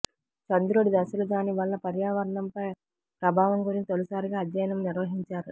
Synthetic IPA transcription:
t͡ʃɐnd̪uɾoːɽid̪ɐsɐlɐd͡ʒaːniʋɐɭːɐpɐɾjaːʋɐɾɐɳɐmpɐj | pɾɐbʱaːʋɐŋɡuɾint̪olusaːɾiɡaːd̪jɐjɐnɐmniɾʋɐɦiɲt͡ʃaːɾu

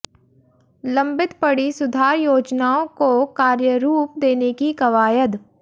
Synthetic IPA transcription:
lɐ̃mbɪt̪pɐɽisʊd̪ʱaːɾjoːd͡ʒnaːõkokaːɾjəɾuːp̚d̪eːnekikɐʋaːjəd̪

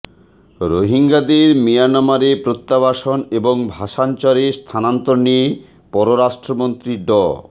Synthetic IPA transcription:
ɾoɦiŋɡad̪eɾmijanɔmaɾepɾot̪ːaβaʃoneboŋbʱaʃant͡ɕaɾest̪ʰanant̪oɾnie | pɔɾoɾaʃʈɾomont̪ɾiɖɔ

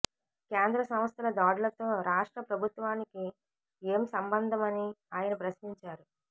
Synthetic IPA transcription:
keːnd̪ɾɐsɐm̃st̪ʰɐlɐd̪aːɽulɐt̪o̞ːɾaːʂʈɾɐpɾɐbʱut̪ʋaːniki | eːmsɐmbɐnd̪ʱɐmɐniaːjɐnɐpɾɐsniɲt͡ʃaːɾu

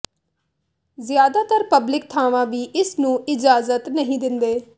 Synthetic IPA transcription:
zɪjaːd̪aːt̪əɾpəblɪk̚t̪ʰaːʋãːʋiːʔɪsnũːɪd͡ʒaːzət̪nəɦĩːd̪ɪnd̪eː

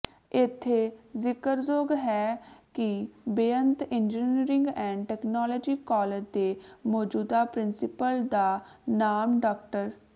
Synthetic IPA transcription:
ɪt̪ʰːeːzɪkəɾzoːɡɦɛːkɪbeːənt̪ɪnd͡ʒiːniɾɪ̃ŋɡɛ̃ːɳɖʈɛːknɔːlɔːd͡ʒiːkɔːled͡ʒd̪eːmɔːd͡ʒuːd̪aːpɾɪnsɪpəld̪aː | naːmɖɔːk̚ʈəɾ

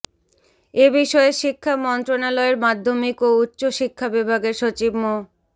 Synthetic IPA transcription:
ebiʃɔeʃikʰːamɔnt̪ɾonalɔeɾmad̪ʱːomikoutːɕoʃikʰːabibʱaɡeɾʃot͡ɕibmo

